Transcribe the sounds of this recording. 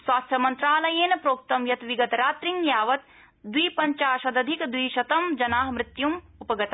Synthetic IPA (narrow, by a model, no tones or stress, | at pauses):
sʋaːst̪ʰjɐmɐnt̪ɾaːlɐjeːnɐpɾoːk̚t̪ɐmjɐt̪ʋiɡɐt̪ɾaːt̪ɾiŋjaːʋɐt̪ | d̪wiːpɐɲt͡ʃaːʃɐd̪ɐd̪ʱikd̪wiːʃɐt̪ɐmd͡ʒɐnaːɦmɾɪt̪jum | upɐɡɐt̪a